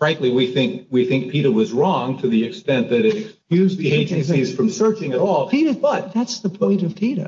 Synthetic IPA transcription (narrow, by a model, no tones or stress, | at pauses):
ɹãɪʔˡliwiθɪ̃ŋkwiθɪ̃ŋk̚pʰiɾə˞wʌzɹɔ̃ŋtʰɨðiɨkstɛ̃nðɨɾɨɾɨkskjʉzðieɪd͡ʒɨ̃nsiz̥fɹʌ̃msɜ˞t͡ʃɪ̃ŋɨɾɔlˠpʰiɾə˞bʌt̪̚ðætsðəpʰɔ̃ɪ̃nʌv̥pʰiɾə̰˞